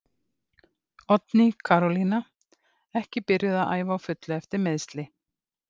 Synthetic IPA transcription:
ɔt̪nikʰaɾɔlina | ɛhcɪpɪɾjɪðaðʔa̰ːjvaːwfʏt̪lʏɛft̪ɪɾmeðst̪lɪ

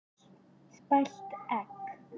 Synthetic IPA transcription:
spaɬt̪æk

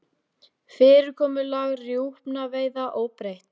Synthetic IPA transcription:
fɪːɾɪɾkʰɔːmʏlaɣrjuwhpnaveːjðaʔoːwpɾejht̪

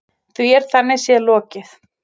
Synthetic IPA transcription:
θuɛɾ̥θanːɪsjɛlɔːcɪθ

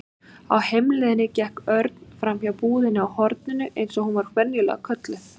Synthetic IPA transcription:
a̰whejmlɪðɪnːɪcɛhkœɾt̪n̥fɾamhjawpuːðɪnɪawhɔɾt̪̚nɪnːʏʔejnsɔɣhunvaɾ̥kʰvɛnjɪlɛ̰ɣakʰœt̪lʏ

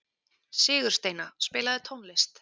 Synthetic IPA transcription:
sɪːɣʏɾ̥st̪eːjnaspɪːlaðɪt̪ʰownlɪst̪

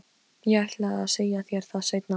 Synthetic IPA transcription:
jɛaht̪laaðseːjaθjɛɾ̥θaðseːjt̪na

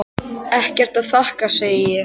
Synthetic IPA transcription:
ɛhcɛr̥t̪aðθahkaseːjɪ

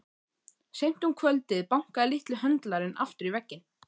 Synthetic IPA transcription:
sejm̥t̪uŋkʰvœlt̪ɪðpawŋ̥kaðɪlɪht̪lɪɦœnt̪laɾɪnʔa̰ft̪ʏɾivɛcːɪn

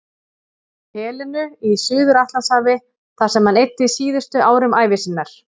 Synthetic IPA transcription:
hɛːlʏnʏisʏːðʏɾaht̪lansaːvɪ | θḁsɛmhanejt̪ːɪsiːðʏst̪ʏʔaːwɾʏmaːjvɪsɪnːaɾ̥

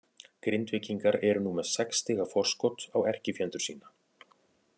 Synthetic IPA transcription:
kɾɪnt̪vɪciŋkaɾɛɾʏnumḁsɛkst̪ɪːɣafɔr̥skɔt̪awɛr̥cɪfjɛnt̪ʏɾ̥siːna

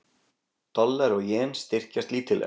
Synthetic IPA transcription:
t̪ɔlːɛɾɔɣjɛːnst̪ɪr̥cast̪liːt̪ɪlɛ̰

